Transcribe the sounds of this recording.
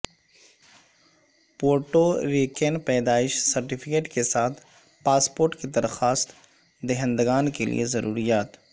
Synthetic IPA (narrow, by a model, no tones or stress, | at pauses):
poːɾʈoɾeːkenpɛːd̪aːɪʃsɐɾʈɪpʰɪkeːʈkesaːt̪ʰ | paːspoːɾʈked̪ɐɾxaːst̪ | d̪eɦə̃nd̪ɡaːnkelḭezɐɾuːɾijaːt̪